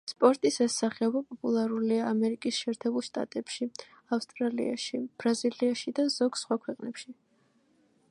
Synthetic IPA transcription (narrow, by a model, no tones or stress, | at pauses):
spʼɔɾt̪ʼisɛsaχɛɔbapʼɔpʼulˠaɾuliaːmɛɾikʼisʃɛːɾt̪ʰɛbulˠʃt̪ʼa̰t̪ʼɛpʃi | afst̪ʼɾalḭa̰ʃib̥ɾaziliaʃid̪az̥ɔɡ̥sχwakʰwɛqʼnɛpʃi